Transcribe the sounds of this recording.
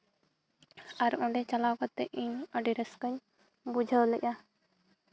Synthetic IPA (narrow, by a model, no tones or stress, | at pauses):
aɾɔ̃ɳɖɛt͡ʃalakɔt̪ːɛʔiɲəɖiɾəskəɲ | bud͡ʒʱəlɛʔʲa